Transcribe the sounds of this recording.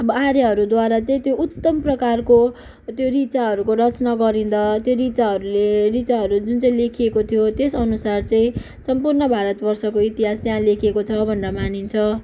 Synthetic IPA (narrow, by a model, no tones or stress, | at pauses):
ʌbʌaɾeɦʌɾud̪waɾat͡saĩt̪jout̪ːʌmprʌkarko | t̪joɾit͡saɦʌɾukoɾʌt͡snaɡʌɾind̪ʌt̪joɾit͡saɦʌɾulerit͡saɦʌɾud͡zunt͡sʌĩlekʰiekot̪ʰijot̪esʌnusart͡sʌĩ | sʌmpurnʌbʱaɾʌt̪bʌrsʌkoit̪iɦast̪jãlekʰiekot͡sʰʌbʱʌndʌmanint͡sʰʌ